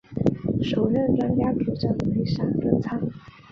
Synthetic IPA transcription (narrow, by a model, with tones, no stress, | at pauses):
ʂo˨˩ʊɻə˥˩nʈ͡ʂwa˥nt͡ɕja˥ʈ͡ʂu˨˩ʈ͡ʂə˥˩ŋme˧˥ɪʂa˨˩ŋʈ͡ʂə˥˩t͡sʰa˥ŋ